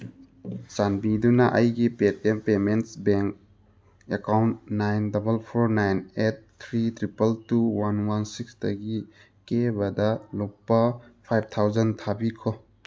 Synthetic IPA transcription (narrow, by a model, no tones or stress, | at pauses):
sanbidunɐʔɐjɡipet̚empementsbeŋk̚ | ekawnt̚najndɐbɐlpʰoɾnajnet̚tʰɾitɾipɐltuwanwansiksdɐɡi | kebɐdɐlok̚pːɐpʰajb̚t̪ʰawzɐntʰabikʰo